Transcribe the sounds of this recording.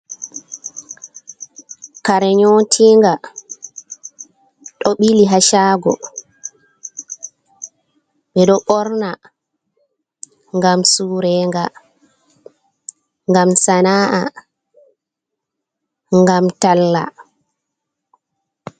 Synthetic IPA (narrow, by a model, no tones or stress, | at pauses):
kaɾɛɲɔtʰiːŋɡa | ɗɔɓiliɦaʃaːɡɔ | ɓɛɗɔɓɔɾna | ŋɡamsuːɾɛːŋɡa | ŋɡamsanaːʔa | ŋɡamtalːa̰